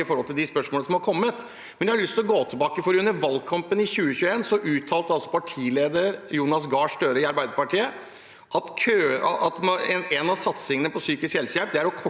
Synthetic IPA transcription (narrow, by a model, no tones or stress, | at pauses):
ɪfɔɾɔlt̪ɪld̪ɪspœʂmoːləsɔmhɑɾkʰɔmːət̪ | mmɛnjæhɑlɭʏst̪ɪlɔɡoːt̪ʰɪbɑːkəfɔɾʉnːəɾʋɑlɡkʰɑmpənɪçʉːəçʉːeːnsɔʔʉːt̪ʰːɑːlt̪əɑlsɔ̥pʰɑʈʰiːleːd̪əɾjuːnɑsɡɑːʂt̪øːɾəɪɑɾbæɪd̪əɾpɑʈʰiːə | ʔɑt̪kʰøɑt̪mɛnɛnɑsɑt̪sɪŋənəpʰɔsyːkɪsksɛlsjælp̚d̪ɛæɾɔkʰɔ